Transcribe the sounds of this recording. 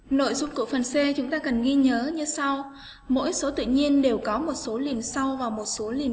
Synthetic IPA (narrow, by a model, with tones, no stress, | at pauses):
no̰˧˨jzʊ˧ŋ͡mku˧˩əfə˨˩nse˧t͡ɕʊ˨˦ŋ͡mt̪aː˧kə˨˩nɣi˧ɲəː˨˦ɲɨ˧sa˧w | mo̰˧˥jso˨˦t̪ɨ̰˧˨ɲi˧ənɗe˨˩wkɔ˨˦mo˨˩t̚so˨˦li˨˩əmsa˧wvaː˨˩wmo˨˩t̚so˨˦li˨˩əm